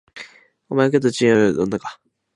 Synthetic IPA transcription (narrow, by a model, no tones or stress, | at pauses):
omak̬et̪ot͡ɕiad̪onːakḁ